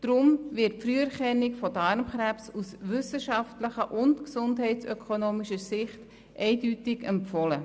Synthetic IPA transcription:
d̥ɾʊmvɪt̚fɾyːəɾχɛnːikfɔdɑɾmχɾæpsusʋʏsəʃɑftləχəʔʊntksʊndɦɛɪtsœkʰonoːmiʃəsɪχt | ʔɛɪdytɪɡɛmfɔlə

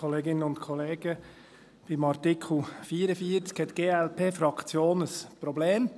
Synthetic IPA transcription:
ɔleːɡɪnənʊntkʰɔleːɡə | b̥imɑɾtikʰl̩fiːəɾəfiːəɾt͡skhɛtɡ̥eːɛlpʰeːfɾɑkt͡sjoːnəspɾɔbleːm

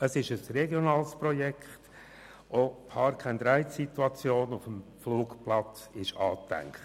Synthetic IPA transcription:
əsɪʃəsrɛɡjɔnɑːlsprɔjɛkχt | opʰɑːɾkʰand̪ɾæɪtsit̪uɑt͡sjoːnʊfəmfluːkplɑt͡s | ɪʃɑːt̪æ̰ŋkχt

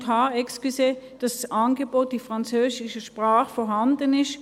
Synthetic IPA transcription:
kʰaːɛkskyseːd̥ɑsʔanɡəboːt̚d̥ifʁant͡søːzɪʃəʃpʁaːχfɔɐɦandənɪʃ

